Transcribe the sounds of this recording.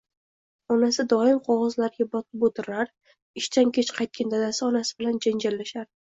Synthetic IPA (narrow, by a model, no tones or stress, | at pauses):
ɒnasɪd̪ɒɪmqʰɒʁɒzlaɾɡʲabɒt̪̚ʰɨbot̪ʰɪɾaɾ | ɪʃt̪ankʲʰet͡ʃqʰɑajt̪̚kʲand̪ad̪asɪɒnasɪ̥bɪland͡ʒand͡ʒalːaʃaɾ